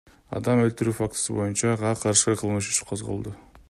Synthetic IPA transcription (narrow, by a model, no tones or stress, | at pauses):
ɑ̰d̪ɑmølt̪yɾyːfak̚t̪ɨ̥sɨbo̞junt͡ʃɑʁɑqʰɑɾʃɯqʰəlˠmɯʃy̥t͡ʃqʰozʁə̰lˠd̪ə